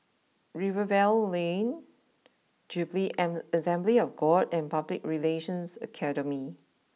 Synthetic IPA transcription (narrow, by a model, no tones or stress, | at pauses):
ɹivəvɛllẽn | d͡ʒubliɛəsɛ̃mbliɔfɡɔdɛ̃npablɪk̚ɹileʃə̃nsə̰kʰɛɾəmi